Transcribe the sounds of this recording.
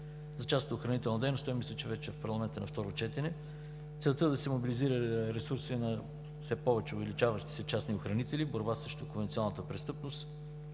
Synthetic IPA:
zɐt͡ʃast̪ʊxɾɐnit̪ɛlˠnɐd̪ɛjnost̪ɔjmislʲɛt͡ʃɛvɛt͡ʃɛfpɐɾlˠɐmɛnt̪ənɐ̰ft̪ɔɾot͡ʃɛt̪ɛnɛ | t̪sɛlˠt̪əd̪ɐsɛmobiliziɾəɾɛsuɾsinɐ | fsɛpɔvɛt͡ʃɛʊvɛlit͡ʃavəʃt̪i̥sɛt͡ʃasnioxɾɐnit̪ɛliboɾbasɾɛʃt̪okõnvɛnt̪siɔ̃nˠnət̪əpɾɛst̪ɤpnost̪

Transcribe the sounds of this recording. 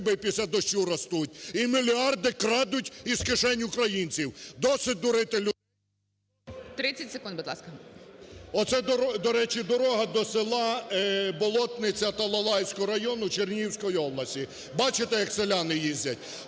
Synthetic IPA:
bɪpʲisʲlʲad̪ɔʃt͡ʃuɾɐst̪utʲimilʲiɑrd̪ɪkɾɑd̪ʊtʲiskɪʃɛnʲʊkɾɐjinʲt͡sʲiwd̪ɔsɪt̚ʲd̪ʊɾɪt̪ɪlʲʊ | t̪ɾɪt͡sʲɐtʲsekund̪bɪd̪lˠɑ̰skɐ | ɔt̪sɛd̪d̪ɔɾɛt͡ʃɪd̪ɔɾɔɦɐd̪ɔselˠɑbɔlˠɔt̪nɪt͡sʲɐt̪ɐlˠɐlˠɑjsʲkɔɦɔɾɐjɔnʊt͡ʃernʲiwsʲkɔjiɔblˠɐsʲtʲi | bɑt͡ʃɪt̪ɛjɐkselʲɑnɪjizʲdʲɐtʲ

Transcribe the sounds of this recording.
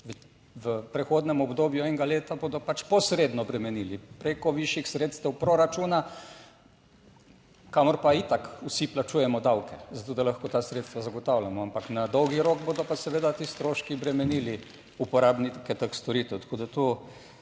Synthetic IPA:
ʋ | ʋəpɾɛxoːd̪nɛmɔbd̪oːbjuɛŋɡaleːt̪aboːd̪ɔpat͡ʃpɔsɾeːd̪nɔbɾɛmɛniːlipɾekɔʋiʃjixsɾeːt̪st̪ɛwpɾoɾat͡ʃuːna | kamɔɾpait̪akusiplat͡ʃuːjɛmɔd̪awkʰɛzat̪oːd̪alaxkot̪aːsɾeːt̪st̪ʋazaɡɔt̪awlamɔampaknad̪ɔwɡiɾoːkboːd̪ɔpasɛʋeːd̪at̪iːst̪ɾoːʃkibɾɛmɛniːli | upɔɾaːbnikɛt̪əkst̪ɔɾit̪ɛwt̪ḁkoːd̪at̪o

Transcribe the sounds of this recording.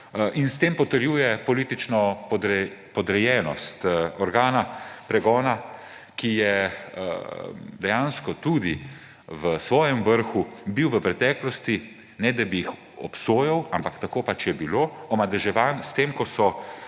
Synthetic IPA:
ʔinst̪eːmpɔt̪əɾjuːjɛpɔliːt̪it͡ʃnɔpɔd̪ɾɛpɔd̪ɾɛjɛːnɔst̪ɔɾɡaːnapɾɛɡɔːna | kijɛ | d̪ɛjanskɔt̪ud̪i | ʋəsʋɔːjɛmʋəɾxubiwʋəpɾɛt̪ɛːklɔst̪i | nɛd̪abijix | ɔ̰psoːjawampakt̪akoːpat͡ʃjɛbiloːɔmad̪ɛʒɛʋaːnst̪eːmkɔsɔ

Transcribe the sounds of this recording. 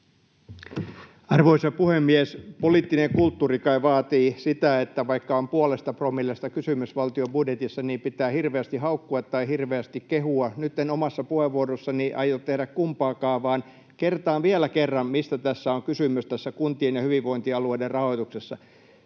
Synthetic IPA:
ɑrʋoisɑpuhemːiɛspoliːt̪ːineŋkult̪ːuːrikɑiʋɑːt̪iːsit̪æet̪ːæʋɑikːɑompuolest̪ɑpromilːest̪ɑkysymysʋɑlt̪iobudjet̪isːɑniːmpit̪æːhirʋeæst̪ihɑukːuɑt̪ːɑihirʋeæst̪ikkehuɑnyt̪ːenomɑsːɑpuheʋʋuorosːɑniʔɑ̰jott̪ehɾækkumpɑːkɑːʋɑːn | kert̪ɑːʋiælækerːɑmmist̪æt̪æsːæoŋkysymyst̪æsːækunt̪ienjɑhyʋiʋʋoint̪iɑlueiderrɑhoit̪uksesːɑ

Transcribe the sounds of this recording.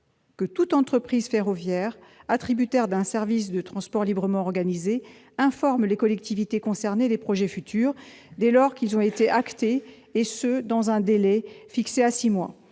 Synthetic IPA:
kət̪ut̪ɑ̃t̪χəpχizfeʁɔvjɛːʁat̪χibyt̪ɛʁd̪ɛ̃sɛʁvis̬d̪ət̪χɑ̃spɔʁlibʁəmɑ̃ɔʁɡanize | ɛ̃fɔʁmlekɔlɛk̚t̪ivit̪ekɔ̃sɛʁned̪epχɔʒɛfyt̪yːʁd̪elɔʁkʲilzɔ̃et̪eʔakt̪eː | sød̪ɑ̃zɛ̃d̪elɛfikseasimwa̰

